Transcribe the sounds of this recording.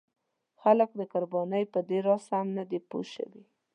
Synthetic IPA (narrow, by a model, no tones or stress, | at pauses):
xalək̚d̪əkʊɾbɑnəjpəd̪eɾɑsamnad̪epo̰ʃə̰wi